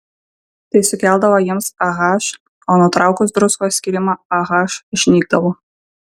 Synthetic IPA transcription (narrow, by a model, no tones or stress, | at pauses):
t̪ɐɪsʊkʲɛlˠʲd̪ɐʋoːjɪmsɐɣɑːʃ | oːnʊt̪ɾɑˑʊkʊsd̪ɾʊskoːsʲkʲiɾʲɪmɑɐɣɑːʃʃʲnʲiːɡ̚d̪ɐʋo